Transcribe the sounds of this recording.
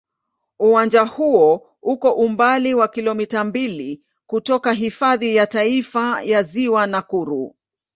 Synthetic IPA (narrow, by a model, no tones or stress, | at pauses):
uwand͡ʒahuɔ | ukɔʔumbaliwakilɔmitambili | kutɔkaɦifaðijataifajaziwanakuɾu